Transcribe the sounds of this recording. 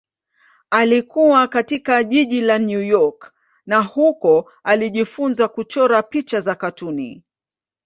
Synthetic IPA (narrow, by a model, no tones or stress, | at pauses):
alikuwakatikaʄiʄilanjujɔk | nahukɔ | aliʄifunzakut͡ʃɔɾapit͡ʃazakatunḭ